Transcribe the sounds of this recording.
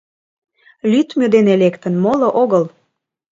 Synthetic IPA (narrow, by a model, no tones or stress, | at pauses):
lʲyt̪mød̪enelekt̪ənmoloʔoɣəl